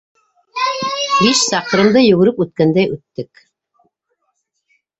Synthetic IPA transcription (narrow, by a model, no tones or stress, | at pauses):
liʃsɑqɤ̆ɾɤ̆md̪ɤjɵ̆ɡɘ̆ɾɘpʉt̪̚kænd̪æjʉt̪ːɘk